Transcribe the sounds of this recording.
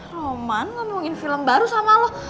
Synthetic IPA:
romankamuŋɪnfiləmbaɾusamalɔh

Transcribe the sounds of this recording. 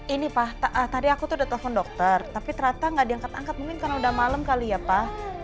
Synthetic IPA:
inipaht̪aʔət̪adiakut̪ʊhdat̪əlɛfɔndɔk̚t̪ərt̪apit̪əɾat̪aŋɡaʔdiaŋkat̪aŋkat̪̚mumɪnkarnaudahmaləmkalijapah

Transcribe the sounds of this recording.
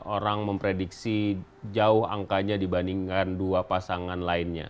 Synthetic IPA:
oɾaŋməmpɾediksi | d͡ʒaʊha̰ŋkaɲadibaniŋkanduapasaŋanlaɪnɲa̰

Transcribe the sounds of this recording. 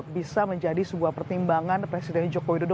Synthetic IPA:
bisaməɲd͡ʒadisəbuahpərt̪imbaŋanpɾesidɛnd͡ʒokowidodo

